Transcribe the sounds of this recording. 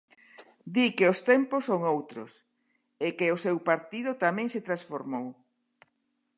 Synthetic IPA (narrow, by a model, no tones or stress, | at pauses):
d̪ikeost̪ɛmpʊsːoŋowt̪ɾʊ̰s | ekeʊsewpaɾt̪ið̞ʊt̪amɛ̃ŋset̪ɾasfoɾmow